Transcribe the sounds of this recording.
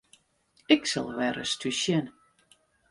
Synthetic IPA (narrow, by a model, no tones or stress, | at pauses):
ɪksa̰lˠʋɛɾə̰styʃjɛn